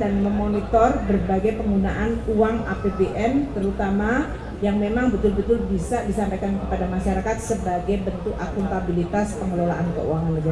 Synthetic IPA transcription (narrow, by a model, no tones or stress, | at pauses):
danməmonit̪ɔrbərbaɡajpəŋɡunaʔanuaŋapebeʔɛnt̪əɾut̪ama | jaŋmemaŋbət̪ʊlbət̪ʊlbisadisampajkankəpadamaʃaɾakat̪̚səbaɡajbənt̪ʊkakunt̪abilit̪aspəŋəlola̰ʔankə̰ṵaŋanməɡa